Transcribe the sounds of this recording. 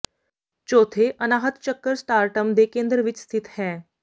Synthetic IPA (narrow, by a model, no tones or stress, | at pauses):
t͡ɕoːt̪ʰeʔənaːɦət̪t͡ʃəkːəɾsʈaːɾʈəmd̪eːkẽːnd̪ɾəʋit͡ʃst̪ʰit̪hɛ̃ː